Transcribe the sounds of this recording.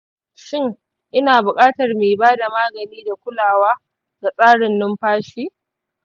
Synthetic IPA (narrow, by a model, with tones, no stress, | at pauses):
ʃɪ˦ŋ | ʔɪ˦naː˨bʊ˨kʼaː˦tɐ˨rmeː˨baː˦da˨maː˦ɡɐ˨niː˦da˨kʷʊ˦laː˨waː˦ | ɡ̥a˨sʼaː˦ɽɪ˨nːʊ˦mɸaː˦ʃiː˦